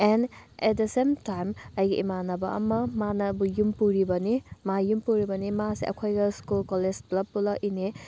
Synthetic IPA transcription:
enɛt̚dɐsemtajmɐjɡiʔimanɐbɐ̰ʔɐ̰mɐmanɐbujumpuɾibɐnimajumpuɾibɐnimasḭʔɐ̰kʰojɡɐskulkɔled͡ʒplɐb̚ːulɐkine

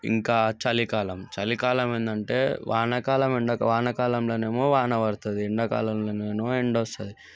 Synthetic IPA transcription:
ḭŋkaːt͡ʃɐlikaːlɐmt͡ʃɐlikaːlɐmeːnd̪ɐɳʈḛːʋʔaːnɐkaːlɐmeɳɖɐkɐʋaːnɐkaːlɐmloːneːmoːʋaːnɐʋɐɾt̪ɐd̪iːɳɖɐka̰ːlɐmloːneːmoːeɳɖost̪ɐd̪i

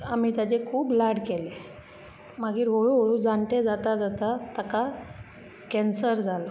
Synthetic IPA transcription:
amiːt̪jat͡ɕekʰuːblaɽkele | maɡiːɾɦoɭuɦoɭud͡zant̪ed͡zat̪ad͡zat̪at̪aka | kɛnsəɾd͡zalo

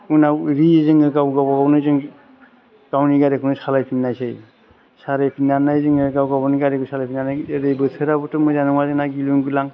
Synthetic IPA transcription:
unaɾiezɯŋɯɡawɡabɔɡawnɯzɯŋ | ɡawniɡaɾekʰunɯsalajpʰinːajsɯj | saɾajpʰinːanajzɯŋɯɾɡawɡabɔniɡaɾiɡɯsʰalajpʰinanajɾɯjbɯtʰɯɾabɯtʰɯmɔjzanɯŋwazɯnaɡiluŋɡilaŋ

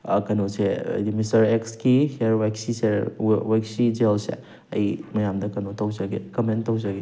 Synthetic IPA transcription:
kɐnoseɐ̰jdimistɐɾekskiheɾwajksisewajksid͡ʒelsḛ | ɐ̰jmɐjamdɐkɐnotɐwzɐɡekɐmentɐwzaɡe

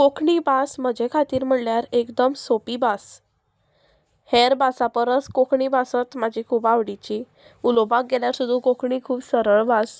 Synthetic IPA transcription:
kokʰɳiːbasm̤əd͡ʑʱekʰat̪iːɾm̤əɽljaɾekd̪əmsopiːbas | heɾbasapəɾəskokʰɳiːbasət̪mad͡ʑʱikʰubaʋɽit͡ɕi | ulobak̚ɡeljaɾsud̪ʱːũkokʰɳiːkʰuːbsəɾəɭbas

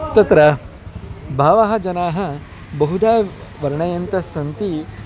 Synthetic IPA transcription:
t̪ɐt̪ɾɐ | bʱaːʋaɦɐd͡ʒɐnaːɦɐ | bɐɦud̪aːʋɐɾɳɐjɐnt̪ɐsɐnt̪i

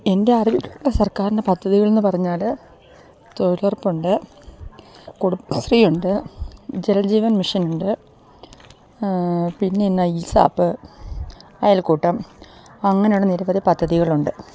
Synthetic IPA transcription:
e̞nde̞ɐribikːɐuɭːɐsɐrkaːɾinde̞pɐd̪ʱːɐðiɣɐɭe̞nːɨpɐrɐɲːaːl | t̪olɐrpːuɳɖɨ | kuɽusriːuɳɖɨd͡ʑelɐd͡ʑiːʋɐnmiʂɐnuɳɖɨ | pinːe̞nːɐisa̰ːpːɨ | ɐjaːlkuːʈːɐmɐŋːɐnejuɽeniɾɐbɐðipɐd̪ʱːɐðiɣɐɭuɳɖɨ

